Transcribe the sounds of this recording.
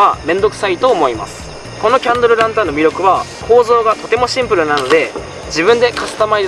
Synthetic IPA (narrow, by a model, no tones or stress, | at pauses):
amẽ̞nd̪o̞kɯ̟̥sait̪o̞ːmo̞ima̰sɨ̥ | ko̞no̞kʲãnd̪oɾɯ̟ɾãnt̪anomʲiɾjo̞kɯ̟βakʰo̞ːzo̞ːɡat̪o̞t̪e̞mo̞ɕĩmpɯ̟ɾɯ̟nano̞d̪e̞ | d͡ʑibɯ̃nd̪e̞kat͡sɨ̥t̪amai